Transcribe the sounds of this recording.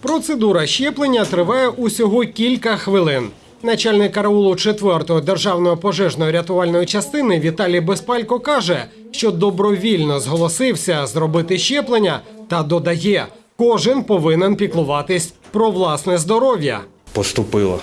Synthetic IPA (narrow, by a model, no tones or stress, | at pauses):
pɾɔt̪sed̪uɾɐʃt͡ʃɛplˠenʲːɐt̪ɾɪʋɑjɛʔusʲɔɦɔkʲilʲkɐxʋɪlˠɪn | nɐt͡ʃɑlʲnɪkːɐɾɐulˠʊt͡ʃet̪ʋɛrt̪ɔɦɔd̪erʒɑwnɔjɔpɔʒɛʒnɔjɔɾʲɐt̪ʊʋɑlʲnɔjit͡ʃɐst̪ɪnɪʋʲit̪ɑlʲijbespɑlʲkɔkɑʒɛ | ʃt͡ʃɔd̪ɔbɾɔʋʲilʲnɔzɦɔlˠɔsɪwsʲɐzɾɔbɪt̪ɪʃt͡ʃɛplˠenʲːɐt̪ɐd̪ɔd̪ɐjɛ | kɔʒɪnpɔʋɪnenpʲiklˠʊʋɑt̪ɪsʲpɾɔʋlˠɑsnɛzd̪ɔɾɔʋʲjɐ̰pɔst̪ʊpɪlˠɐ̰